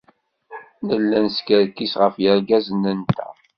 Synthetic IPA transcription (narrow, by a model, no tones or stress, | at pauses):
nəlːænskəɾkːisʁəfjəɾɡæzənːənt̪æ̰